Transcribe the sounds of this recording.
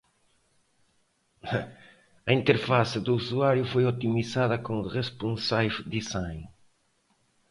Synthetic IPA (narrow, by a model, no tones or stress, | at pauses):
ɐint̪eɾfasɪðuusuaɾjʊfojot̪imisaðɐkõŋrespũnsajfd̪isaj̃